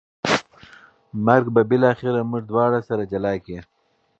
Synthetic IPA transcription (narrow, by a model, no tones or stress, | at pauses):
maɾɡbabɪlɑːxɪɾamʊʐd̪wɑɽasaɾad͡ʒalɑke